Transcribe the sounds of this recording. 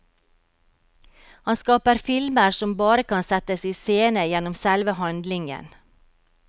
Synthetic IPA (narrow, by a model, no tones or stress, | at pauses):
hɑnskɑːpəɾfɪlməɾsɔmbɑːɾəkʰɑnsɛt̪əsiːseːnəjɛnɔmsælʋəhɑnd̪lɪŋə̰n